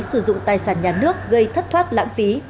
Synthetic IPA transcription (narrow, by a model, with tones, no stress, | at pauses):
sɨ˧˩zʊ̰˧˨ŋ͡mt̪aː˨˩jsaː˧˩nɲaː˨˩nɨ˦˥ək̚ɣə˧jt̪ʰə˦˥t̚t̪ʰwaː˦˥t̚la̰ː˧˥ŋfi˨˦